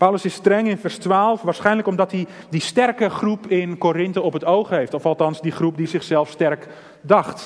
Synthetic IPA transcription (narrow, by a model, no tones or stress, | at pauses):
pawləsɪstrɛŋɪnfɛrstʋaːlˠəfʋaːrsχɛjnləkɔmdɔthi | distɛrkəχrupɪnkorɪntəɔpətowxɦeftɔfɑlˠtɑnsdiχrup̚dizɪxsɛlˠfstɛrk | dɑxt